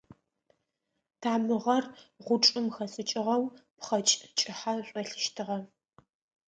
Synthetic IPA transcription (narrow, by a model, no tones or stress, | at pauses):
tʰaːmɨʁɐrʁʷʊʈ͡ʂʼɨmxɐsʼɨt͡ʃʼɪʁɐwpχɐt͡ʃʼt͡ʃʼɪħaɕʷʼɔɬɨʃtʰɨʁɐ